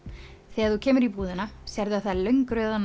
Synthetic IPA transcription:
θɛːɣaɾθucʰɛːmʏɾipuːðɪnasjɛɾðɪaðθaðlœɥŋkɾœːðan

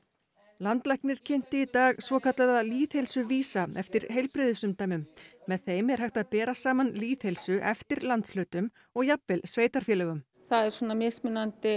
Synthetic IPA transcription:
lant̪lahknɪɾ̥cʰɪn̥t̪ɪit̪aːɣsvɔːkat̪laðaliːθhejlsʏviːsaɛ̰ft̪ɪɾ̥ɦejlpɾɪðɪsʏmt̪aːjmʏmːɛðθejmɛɾ̥ɦajht̪aðpɛːɾasaːmanliːθhelsʏʔɛft̪ɪɾlant̪slœːt̪ʏm | ɔɣjapvɪlsveːjt̪aɾ̥fjɛːlɛɣʏm | θaðɛɾ̥swɔːnamɪsmɪnːant̪ɪ

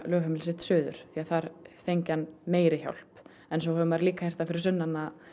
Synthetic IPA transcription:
lœːɣhʏmɪls̬ɪt̪sʏːðʏ̰ɾ̥θiaðθaɾ̥θejɲcanmeːjɾɪça̰wl̥p | ɛnsowhɛvʏmaɾɪliːkahejr̥t̪afɪɾɪɾsʏnːanːa

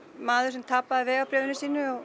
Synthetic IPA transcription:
maːðʏɾ̥sɛmt̪ʰapːaðvɛːɣawpɾɛːvɪnɪsiːnʏɔɣ

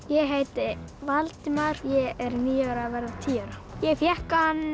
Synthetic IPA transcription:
jɛɣɦejt̪ɪvalt̪ɪmaɾjɛɛɾniːœɾaðvɛɾðat̪ʰiːœɾajɛɣfjɛhkahanː

